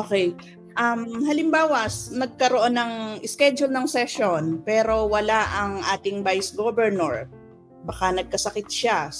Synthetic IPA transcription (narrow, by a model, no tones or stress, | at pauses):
ʔokɛj | ʔɐmhɐlɪmbaːwɐsnɐɡ̚kɐɾoʔonːɐŋʔɪskɛd͡ʒʊlnɐŋsɛʃonpɛːɾo̞wɐlaʔɐŋʔaːt̪ɪŋbajsɡobɛɹnoɹ | bɐkanɐɡ̚kɐsɐkɪt̪̚ʃa